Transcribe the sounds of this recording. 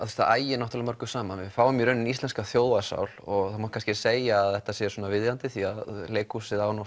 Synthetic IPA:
θst̪aaːjɪnɔht̪alamœɾkʏsaːmanvɪfaːwʏmjɛɾʏnːʏnist̪lɛnskaθjowðvasa̰wlɔɣɣθanmoːt̪kʰanscɪseːjaːðɛht̪asɛsɔːnavɪðjant̪ɪθiaðleːjkusɪðaːwnɔ

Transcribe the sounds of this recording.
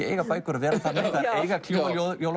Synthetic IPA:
ɛeːjɣapaːjkʏɾavɛːɾaθanːɛθaðeːjɣakʰl̥jualjoðjowl

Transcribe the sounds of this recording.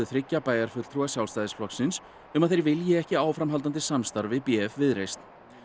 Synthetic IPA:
ʏθɾɪcːapaːjðaɾ̥fʏt̪l̥t̪ʰɾuasjawlst̪ajðɪsflɔksːɪns | ʏmaðθejɾvɪljɪɛhcɪaːwfɾamɦalt̪̬ant̪ɪsamst̪aɾvɪpiɛfvɪðɾejst̪n

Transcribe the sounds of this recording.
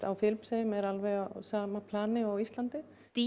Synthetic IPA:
a̰wfɪlmsɛjʏmɛɾalvɛɣasaːmapʰlaːnɪawist̪lant̪ɪ | t̪i

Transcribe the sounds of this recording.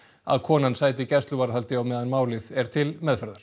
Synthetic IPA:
a̰ðkʰɔːnansaːjt̪̬ɪcɛst̪lʏvaɾhalt̪ɪawmɛːðanmaːwlɪθɛɾ̥t̪ʰɪlmɛðfɛɾðaɾ̥

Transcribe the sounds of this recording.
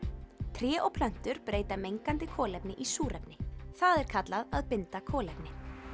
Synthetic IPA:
t̪ʰɾjɛːʔowpʰlœn̥t̪ʏɾpɾeːjt̪amejŋkant̪ɪkʰɔːlɛpnɪʔisuːɾʔɛpnɪθaðɛɾ̥kʰat̪laðaðpɪnt̪akʰɔːlɛpnɪ

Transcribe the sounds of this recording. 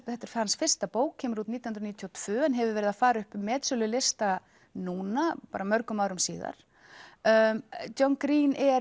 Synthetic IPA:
θɛht̪ːɛɾ̥fhansfɪr̥st̪apoːwkʰɛːmɾut̪niːjhʏnɾniːt̪ʰjot̪ʰv̥ʏːɛnɦɛvɪvɛːɾɪðafaːɾaʏhpmɛːt̪sʏlʏlɪst̪a | nuːnapaːɾamœɾkʏmaːwɾʏmsḭːða̰ɾ̥ | tonkɾiːnɛ

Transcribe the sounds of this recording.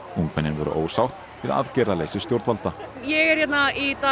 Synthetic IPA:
uŋkvɛnːɪnvœ̰ɾʏ̰ʔo̰ːwsawht̪ | vɪða̰ðcɛːɾalejsɪst̪jowɾt̪valt̪ajɛɣɛɾ̥jɛt̪nait̪a

